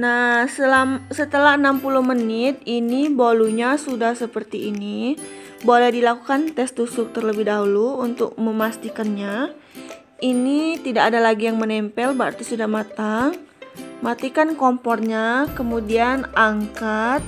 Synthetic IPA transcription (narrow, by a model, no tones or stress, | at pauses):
nasəlamsət̪əlaɦənampuluhmənɪt̪̚iniboluɲasudahsəpərt̪iːni | bolɛhdilakukant̪ɛst̪usʊk̚t̪ərləbɪhdaɦuluunt̪ʊ̰k̚məmast̪ikanɲa | init̪idaːdalaɡijaŋmənɛmpɛlbəa̰rt̪isudahmat̪aŋmat̪ikankomfɔrɲakəmudianaŋkat̪̚